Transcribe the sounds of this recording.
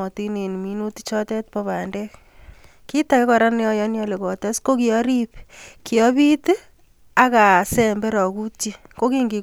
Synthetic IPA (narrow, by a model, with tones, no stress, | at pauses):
ɔ˨ti˦ne˨n˨mi˦nu˦ti̥˦t͡ʃɔ˦tɛ˦t̚pɔ˦βa˨ndɛ˦k | ki˦ta˨ke˦kɔ˨ɾa˦n˦jɔ˦jɔ˦njɔ˦le˨kɔ˨tɛ˦sko˦ki˨ɔ˦ɾi˦pki˨ɔ˦bi˦t | a˦ka˨sɛ˨mbe˦ɾɔ˨ku˦ti˦ko˦ki˦ŋɡi˨